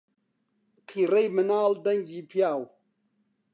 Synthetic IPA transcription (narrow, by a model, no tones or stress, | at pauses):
qʰiɾejmənaldaŋɡipʰjaw